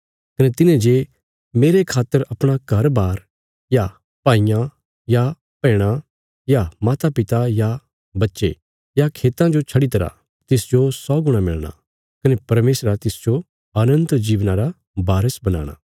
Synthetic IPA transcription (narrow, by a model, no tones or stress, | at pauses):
kɐnet̪ɪnẽd͡ʒe | meːɾekʰaːt̪ːəɾɐpɽ̃aɡʱɐɾbaːɾ | ja | paːɪjã | ja | pɛ̃ːɽ̃a | jamaːt̪apɪt̪aja | bɐtːʃḛ | jakʰeːt̪ãd͡ʒot͡ʃʰɐɽit̪̬ɐɾa̰ | t̪ɪsd͡ʒosɔːɡʊɽ̃amɪ̰ɭɽ̃a̰ | kɐnepɐɾmeːsɾat̪ɪsd͡ʒo | ɐnə̃nt̪d͡ʒiːʋnãɾa | baːɾəsbɐna̰ːɽ̃a̰ː